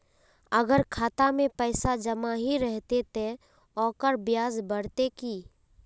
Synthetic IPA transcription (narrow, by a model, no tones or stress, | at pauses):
əɡəɾkʰaːt̪amẽpɛːsad͡ʒəmaɦiɾɛɦt̪et̪ʰe | ɔːkəɾbjaːzbəɽt̪ekiː